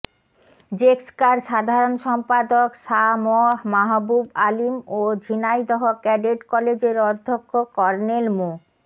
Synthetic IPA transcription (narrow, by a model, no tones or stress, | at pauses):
d͡ʑekskaɾʃad̪ʱaɾonʃɔmpad̪okʃamɔmaɦbubalimod͡ʑʱinajd̪ɔɦokɛɖeɖkɔled͡ʑeɾɔd̪ʱːokʰːokɔɾnelmo